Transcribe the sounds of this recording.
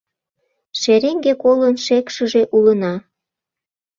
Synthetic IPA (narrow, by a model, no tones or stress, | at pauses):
ʃeɾeŋɡekolənʃekʃəʒe̽ʔulənɑ